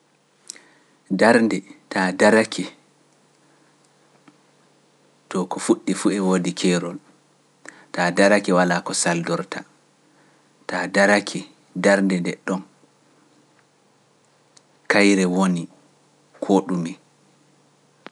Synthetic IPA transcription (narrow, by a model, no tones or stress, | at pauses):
daɾndɛtadaɾakʰɛ | tɔkɔfuɗːifuɛwoːdikʰɛːɾɔl | taːdaɾakɛwalakɔsaldɔɾtʰa̰ | tadaɾakʰɛ | daɾndɛndɛɗːɔn | kajɾɛwoni | kʰoːɗumi